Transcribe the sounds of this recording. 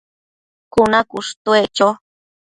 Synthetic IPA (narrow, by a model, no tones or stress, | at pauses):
kʊnakʊʂt̪wet͡ʃo